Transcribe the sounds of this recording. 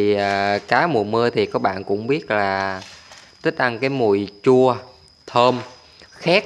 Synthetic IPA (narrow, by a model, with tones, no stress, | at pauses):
i˩˨˩kaː˨˦mu˨˩mɨ˧ət̪ʰi˨˩kɔ˨˦ɓa̰ː˧˨nkʊ̰˧˥ŋ͡mɓi˦˥ət̚laː˨˩ | t̪ə˦˥t̟̚ʔa˧ŋkaː˨˦jmu˨˩əjt͡ɕu˧ə | t̪ʰəː˧m | xaː˦˥t̚